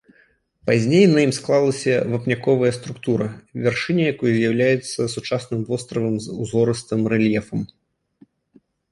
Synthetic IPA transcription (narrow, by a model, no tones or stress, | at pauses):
pazʲnʲejnɐjimsklˠalˠɐsʲɐvɐpnʲakɔvɐjɐst̪ɾukt̪uɾɐvʲarʂɨnʲɛjakɔjzʲjawlʲajɛt̪sːɐsut͡ʂasnɨmvɔst̪ɾɐvɐmuzɔɾɨst̪ɨmrɛlʲjɛfɐm